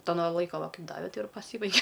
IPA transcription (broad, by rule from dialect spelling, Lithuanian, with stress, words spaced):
ˈtoː noː ˈlˠɐɪkoː ʋɐ ˈkɐɪp ˈdɑːʋʲɛ ˈtɐɪ ɪr pɐˈsʲiːbɐɪɡʲɛ